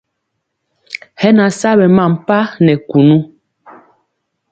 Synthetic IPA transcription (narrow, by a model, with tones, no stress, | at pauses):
hɛ˦na˨sa˦bɛ˨ma˦˨m˨pa˦nɛ˨ku˨nu˦